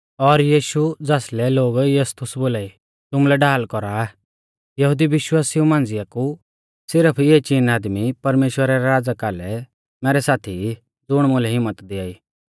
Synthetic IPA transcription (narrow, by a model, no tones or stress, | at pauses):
ɔɾjiːʃud͡zaːslɛloːɡjɐst̪ʰʊsboːlaːi | t̪ʊmlɛɖaːlkɔɾa | jɐɦʊd̪iʋɪʃwaːsiũmãːnd͡zɪaku | sɪɾəpʰet͡ʃiːnaːd̪mipɐɾmeːʃwəɾaɾɛɾaːd͡zakaːlɛ | mɛːɾɛsaːt̪ʰi | d͡zʊɽ̃mʊlɛɦɪmːət̪d̪ɪaːiː